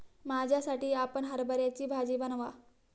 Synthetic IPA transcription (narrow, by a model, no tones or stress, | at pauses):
mad͡ʑʱjasaʈiːapəɳɦəɾbəɾjat͡ɕiːbʱad͡ʑiːbənʋa